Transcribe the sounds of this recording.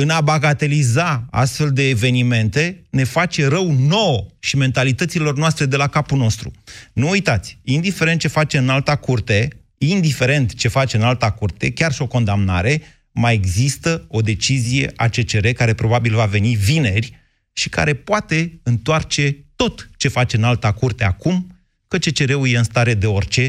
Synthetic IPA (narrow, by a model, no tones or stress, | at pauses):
ɨnabaɡat̪e̞lizaa̰st̪fe̞ld̪e̞ːve̞nime̞nt̪e̞ne̞fat͡ʃe̞ɾəwno̞wʃime̞nt̪alit̪ət̪silo̞rnoast̪ɾe̞d̪e̞lakapulno̞st̪ɾṵnuːjt̪at̪sʲind̪ifeɾent̪̚t͡ʃefat͡ʃe̞ɨnalt̪akurt̪e̞ | ind̪ife̞ɾe̞nt̪t͡ʃe̞fat͡ʃe̞ɨnalt̪akurt̪e̞̰kʲarʃio̞ko̞nd̪amna̰ɾe̞ | majeɡzist̪əo̞d̪e̞t͡ʃizije̞̰ʔat͡ʃe̞t͡ʃe̞ɾe̞kaɾe̞pɾo̞babilvave̞nivine̞rʲ | ʃika̰ɾe̞poat̪e̞ɨnt̪oart͡ʃe̞t̪o̞t̪t͡ʃe̞fat͡ʃe̞ɨnalt̪akurt̪e̞akum | kət͡ʃe̞t͡ʃe̞ɾe̞ujeɨnst̪aɾe̞d̪e̞o̞rʲt͡ʃe̞